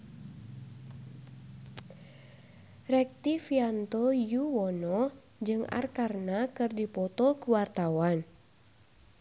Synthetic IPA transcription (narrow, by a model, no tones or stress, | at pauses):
rɛk̚t̪ifiant̪ɔjuwɔnɔ | d͡ʒɨŋa̰rkarnakɨrdipɔt̪ɔkəwart̪awan